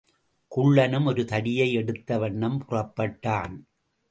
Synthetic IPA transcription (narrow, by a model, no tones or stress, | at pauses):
kʊɭːɐnɯmɔɾɯt̪ɐɽɪjɐɪɛɽɯt̪ːɐʋɐɳːɐmpʊrɐpːɐʈːaːn